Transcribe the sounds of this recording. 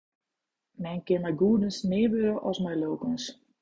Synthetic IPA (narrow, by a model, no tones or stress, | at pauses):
mɛnkɪnmɛjɡuədənsmɪːʋøɾəʔɔsmɛjloːkəns